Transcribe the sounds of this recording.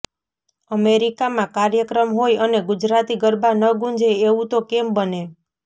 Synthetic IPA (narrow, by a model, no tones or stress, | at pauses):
əmeɾikamãkaɾjəkɾəmɦojəneɡud͡ʒɾat̪iɡəɾbʱanəɡũnd͡ʒʱeeʋũt̪okembəne